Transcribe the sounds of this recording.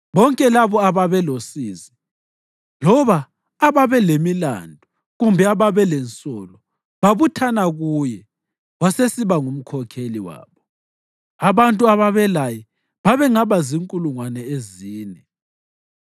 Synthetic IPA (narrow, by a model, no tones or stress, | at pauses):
βɔŋkʼɛlaβɔaβaβɛlosiːzi | lɔβaː | βaβɛlemila̰ndʱɔ | ɣumbʱɛaβaβɛlɛnt͡sʼɔlɔ | βaβutʰanaɣujɛ | βasesiβaŋum̩kʰɔkʰeliwa̰ːβɔ | aβantʼuaβaβɛlajɛ | βaβɛŋaβaziŋkʼuluŋwanɛeziːnɛ